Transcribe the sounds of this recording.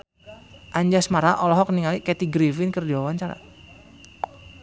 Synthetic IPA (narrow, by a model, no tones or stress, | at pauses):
ʔaɲd͡ʒasmaɾaʔɔlɔɦɔk̚niŋalikɛt̪iɡɾifɪnkərdiwawaɲt͡ʃaɾa̰